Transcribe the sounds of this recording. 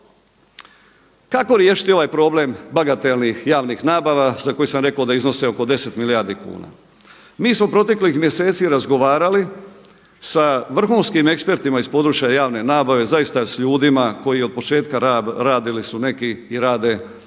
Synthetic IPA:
kako̞ɾjeʃi̥t̪io̞ʋajpɾo̞ble̞mbaɡat̪elnixjaːʋnixnaːbaʋazako̞jisamɾe̞kaod̪aizno̞seo̞ko̞d̪e̞set̪milijaɾd̪ikṵːna̰ | miːsmo̞pɾo̞t̪̬e̞klixmje̞se̞ːt̪siɾazɡo̞ʋaːɾali | saʋr̩xuːnskime̞kspe̞ɾt̪imaispo̞d̪ɾut͡ʃjajaːʋne̞naːbaʋe̞zaist̪asʎuːd̪imako̞jio̞d̪̚po̞t͡ʃe̞ːt̪kaɾaːd̪ilisune̞kiiɾaːd̪e̞

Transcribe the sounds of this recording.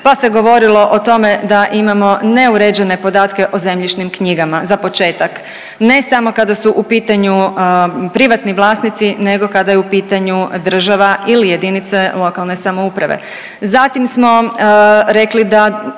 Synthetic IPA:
pase̞ɡo̞ʋo̞ɾilo̞ʔot̪o̞me̞d̪aʔimamo̞ne̞uɾed͡ʒe̞ne̞po̞d̪aːt̪ke̞ʔoze̞mʎit͡ʃnimkɲiɡamazapo̞t͡ʃe̞ːt̪ak | ne̞samo̞kad̪asuʔupiːt̪aɲu | pɾiʋat̪niʋlˠaːsnit̪sine̞ɡo̞kad̪ajɛupiːt̪aɲud̪r̩ʒaʋaʔilije̞d̪init̪se̞lo̞kalˠne̞samo̞upɾaʋḛ | zat̪imsmo̞ | ɾe̞klid̪a

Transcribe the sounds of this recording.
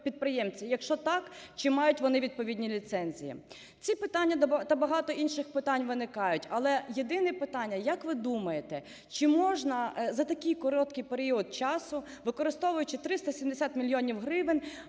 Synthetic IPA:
pʲid̪̚pɾɪjɛmt͡sʲijɐkʃt͡ʃɔt̪ɑkt͡ʃɪmɑjʊtʲʋɔnɪʋʲid̪̚pɔʋʲidʲnʲilʲit̪sɛnʲzʲḭjḭ | t͡sʲipɪt̪anʲːɐt̪ɐbɐɦɑt̪ɔʔinʃɪxpɪt̪anʲʋɪnɪkɑjʊtʲɐlˠɛjed̪ɪnɛpɪt̪ɑnʲːɐjɐkʋɪd̪umɐjet̪ɛ | t͡ʃɪmɔʒnɐzɐt̪ɐkɪjkɔɾɔt̪kɪjpeɾʲiɔd̪̚t͡ʃɑsʊ | ʋɪkɔɾɪst̪ɔʋʊjʊt͡ʃɪt̪ɾɪst̪ɐsʲimd̪esʲat̪mʲilʲjɔnʲiwɦɾɪʋɪnʲ

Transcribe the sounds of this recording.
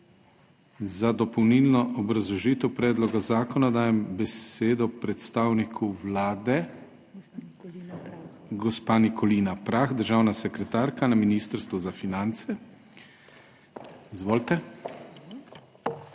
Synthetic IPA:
zad̪ɔpɔwniːlnɔʔɔbɾazlɔʒiːt̪ɛwpɾɛːd̪lɔɡazaːkɔnad̪aːjɛmbɛseːd̪ɔpɾɛt̪st̪aːwnikʰuʋlaːd̪ɛ | ɡɔspanikʰɔliːnapɾaxd̪əɾʒaːwnasɛkɾɛt̪aːɾkanaminiːst̪əɾst̪ʋuzafinant̪sɛ | izʋoːlt̪ɛ

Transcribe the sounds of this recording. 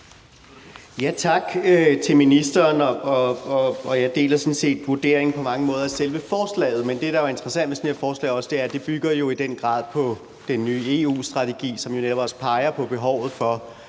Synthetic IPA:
jæt͡sʰɑ̈ɡ̥øt͡sʰe̝lminisd̥ɐːnɒ̽ɒ̽ɒɒ̽jɑ̈ɪd̥e̝̰ːlɐsɒ̽n̩se̝̰ːd̥ʋuɐd̥e̝ːɐeŋ̩pʰɒ̽mɑ̈ŋəmɔ̽ːð̞ˠæselʋəfɒːslɛ̰ːð̞̩ˠmend̥e̝d̥ɑ̈ɑɐe̝nd̥ɐʁɐsæn̰d̥ʋesenhe̝ɐfɒːslɛ̰ɪɒ̽səd̥eæɐd̥e̝b̥yɡ̥ɐjo̝id̥en̰ɡ̥ʁɑ̰̈ːð̰ˠpʰɒ̽ | d̥enːyːe̝ːṵːsd̥ʁɑ̈t͡sʰeɡ̥ḭːsɒ̽mjo̝neɾɒ̽b̥ɒ̽spʰɑ̈ɪɐpʰɒ̽b̥e̝ɦɒʊ̰ð̩ˠfɒ̽

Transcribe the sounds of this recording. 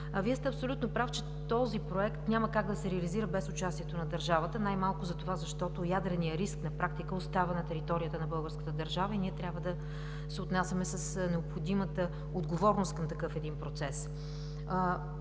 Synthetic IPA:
viəst̪ɛɐpsolʲut̪nopɾaft͡ʃɛ | t̪ɔzipɾoɛkt̪nʲaməkaɡd̪ɐsɛɾɛɐliziɾəbɛsʊt͡ʃast̪ʲiɛt̪onɐd̪ɐɾʒavət̪ənajmalˠkʊzɐt̪ovazɐʃt̪ɔt̪ojad̪ɾɛnijəɾisknɐpɾʔak̚t̪ikəost̪avənɐt̪ɛɾit̪ɔɾijət̪ənɐbɤlˠɡəɾskə̥t̪əd̪ɐɾʒavəiniɛt̪ɾʲabvəd̪ɐ | sɛot̪nasʲjɐmɛsəsnɛopxod̪imət̪ə | od̪ɡovɔɾnʊst̪kɐmt̪ɐkɤfɛd̪inpɾot̪sɛs

